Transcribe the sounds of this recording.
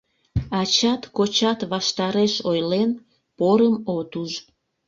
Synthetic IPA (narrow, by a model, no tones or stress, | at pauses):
ɑt͡ɕɑt̪kot͡ɕɑt̪βɑʃt̪ɑɾeʃojlen | poɾəmot̪uʒ